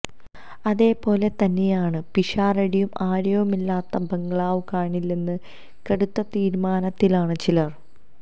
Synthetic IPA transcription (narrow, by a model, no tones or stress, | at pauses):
ɐðe̞ːpo̞ːle̞t̪ɐnːe̞jaːɳɨpiʂaːrɐɽijumaːɾjɐʋumilːaːt̪ːɐbɐŋɡɐɭaːʋkaːɳilːenːɨ | kɐɽut̪ːɐt̪iːɾmaːnɐt̪ːilaːɳɨt͡ɕilɐr